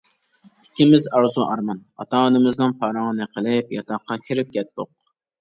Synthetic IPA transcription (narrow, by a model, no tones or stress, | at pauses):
i̥kʲːimɪzɑɾzuʔɑɾmɑnɑ̰t̪ʰɑːnɨmɨznɨnpʰɑːɾɑŋənɨqʰəlˠɪpjɑt̪ʰɑqːɑkʲʰiɾɪp̚ɡʲɛt̪̚boq̚